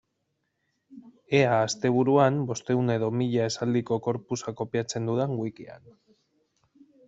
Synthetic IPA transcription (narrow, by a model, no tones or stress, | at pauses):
e̞aːst̪e̞β̞uɾuambo̞st̪e̞une̞ðo̞miʎae̞sald̪iko̞ko̞ɾpusako̞piat͡se̞nd̪uðaŋɡwikia̰n